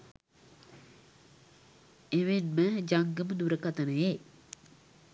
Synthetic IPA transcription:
eʋenməd͡ʒaŋɡəməd̪uɾəkat̪ənəje

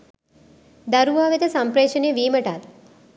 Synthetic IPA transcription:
d̪ɐɾuʋaːʋit̪ɐsɐmpɾeːʃɐnejʋiːməʈat̪̚

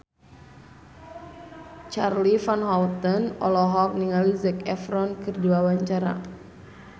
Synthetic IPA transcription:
t͡ʃarlifanɦɔwt̪ɔnɔ̰lɔɦɔk̚niŋalizɛkɛfɾɔnkɨrduawaɲt͡ʃaɾa̰

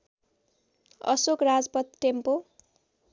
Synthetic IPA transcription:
ʌ̰sokrad͡zpʌt̪̚ʈempo

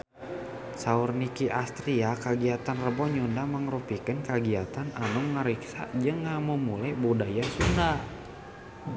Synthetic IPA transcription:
saurnikiʔast̪ɾiakaɡiat̪anrəbɔɲundaməŋrupikənkaɡiat̪ananuŋːəɾiksa̰ʔd͡ʒɨŋːamumulajbudajasunda

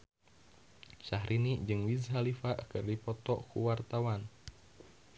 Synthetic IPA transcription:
saɦɾʔinid͡ʒɨŋwizɦalifaʔkɨrdipɔt̪ɔkṵwart̪awan

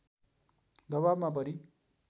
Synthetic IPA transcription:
d̪ʌbabmap̬ʌɾi

